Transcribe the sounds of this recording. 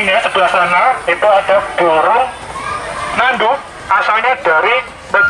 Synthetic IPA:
ɲɲasəb̥əlasanait̪uad̥ad̥ɔɾɔŋ | nandu | asalɲad̥aɾi | nə

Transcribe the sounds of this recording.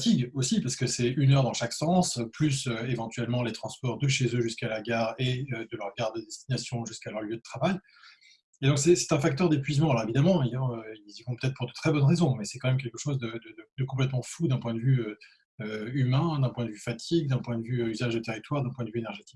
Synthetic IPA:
ft̪iɡosipaʁsə̥kəsɛynœʁd̪ɑ̃ʃaksɑ̃splysøevɑ̃t̪ɥɛlmɑ̃let̪χɑ̃spɔʁd̪əʃezøʒyskalaɡaːʁeød̪əlœʁɡaʁd̪əd̪ɛst̪inasjɔ̃ʒyskalœʁljød̪ət̪χavaj | ed̪ɔ̃ksɛsɛ̥t̪ɛ̃fak̚t̪œʁd̪epɥizmɑ̃alɔʁevid̪amɑ̃ijɑøilzivɔ̃pə̥t̪ɛt̪χpuʁd̪ət̪χɛbɔnʁezɔ̃mɛsɛ̥kɑ̃mɛmk̬ʲɛlkəʃozd̪əd̪əd̪əd̪əkɔ̃plɛt̪mɑ̃fud̪ɛ̃pwɛ̃d̪əvyø | øymɛ̃d̪ɛ̃pwɛ̃d̪əvyfat̪ʰiɡ̚d̪ɛ̃pwɛ̃d̪əvyøyzaʒd̪ət̪eʁit̪waʁd̪ɛ̃pwɛ̃d̪əvyenɛʁʒet̪i̥k

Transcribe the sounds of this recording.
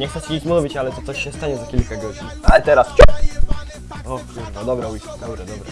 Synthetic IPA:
ɲɛxt̪ɛt͡ɕed͡ʑet͡ɕmuvʲit͡ɕalɛt̪ɔt̪sɔɕːɛst̪aɲɛzakʲilkaɡɔd͡ʑḭalɛt̪ɛɾast͡ɕup | ɔ | umt̪ad̪ɔbɾaujsd̪ɔbɾad̪ɔbɾa̰

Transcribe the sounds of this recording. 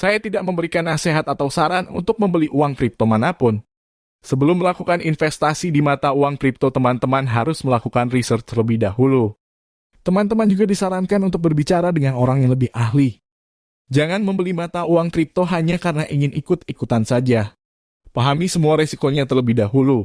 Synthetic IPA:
sajat̪idaʔ̚məmbəɾikanːaseɦat̪at̪awsaɾanṵnt̪ʊk̚məmbəliʔuaŋk̪ɾip̚t̪omanapʊn | səbəlʊmːəlakukaninfɛst̪asidimat̪auaŋk̪ɾip̚t̪ot̪əmant̪əmanɦaɾʊsməlakukanrisərt͡ʃt̪ələbɪhdaɦulu | t̪əmant̪əmand͡ʒuɡadisaɾankanunt̪ʊk̚bərbit͡ʃaɾadəŋanoɾaŋjaŋləbɪhaɦli | d͡ʒaŋanməmbəlimat̪auaŋk̪ɾip̚t̪oɦaɲakaɾənaʔiŋɪnikʊt̪̚ikut̪ansad͡ʒa | paɦamisəmuaɾesikoɲat̪ərləbɪhdaɦulu

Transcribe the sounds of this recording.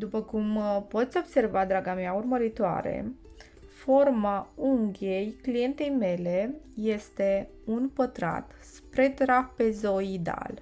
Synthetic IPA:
d̪upəkumpo̞t̪sʲo̞bse̞rvad̪ɾaɡameaurməɾit̪oa̰ɾe̞̰ | fo̞rmauŋɡʲe̞jklije̞nt̪e̞jme̞le̞je̞st̪e̞ | unpət̪ɾa̰t̪ | spɾe̞t̪ɾape̞zo̞id̪a̰l

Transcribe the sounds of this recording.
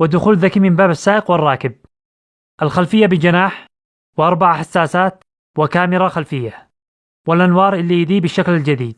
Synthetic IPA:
wɪd̪ʊxuːlðakimɪmbaːbasːaːʔɪqwɪrˤːɑːkɪb̚ | ʔalxalfɪjːabɪd͡ʒɪnaːħ | wʔɑɾˤbaʕaħasːaːsaːt̪ | wɪkaːmɪɾaxalfɪjːa | wɪlʔanwɑːɾˤʔɪlːijd̪iːbɪʃːaklald͡ʒad̪iːd̪̚

